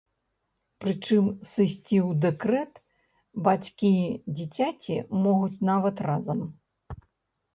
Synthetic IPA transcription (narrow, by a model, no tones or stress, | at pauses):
pɾɨt͡ʂɨmsɨsʲt͡sʲiwd̪ɛkɾɛt̪ | bat͡sʲkʲid͡zʲit͡sʲat͡sʲimɔɣut͡sʲnavɐt̪razɐm